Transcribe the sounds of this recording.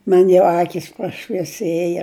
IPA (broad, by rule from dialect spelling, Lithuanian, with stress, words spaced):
ˈmɐnʲ jɛʊ ˈɑːkʲiːs prɐʃʲʋʲiɛˈsʲeːjɛ